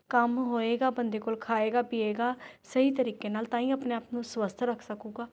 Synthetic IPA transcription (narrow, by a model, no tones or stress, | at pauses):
kəmɦoːeːɡaːbənd̪eːkoːlkʰaːeːɡaːpiːeːɡaːsəɦiːt̪əɾiːkeːnaːlt̪ãːĩːəpneːaːpnũːswəst̪ʰɾəkʰsəkũːɡaː